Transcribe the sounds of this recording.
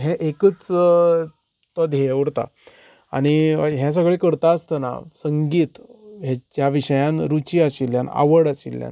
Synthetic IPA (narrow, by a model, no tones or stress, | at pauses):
ɦeʔekət͡s | t̪ɔd̪ʱɦeʋɾt̪a̰ | a̰ɽ̃iɦjas̬əɡɭekəɾt̪aəst̪əna̰səŋɡiːt̪ɦed͡ʑjaʋiɕəjãnɾut͡ɕiaɕilːjana̰ʋəɽaɕḭlːja̰n